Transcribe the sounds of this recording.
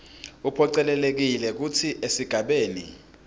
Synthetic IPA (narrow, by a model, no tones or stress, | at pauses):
upʰɔǀɛlɛlek̬ilɛk̬utʰiʔesiɡ̥ʱaɓeːnḭ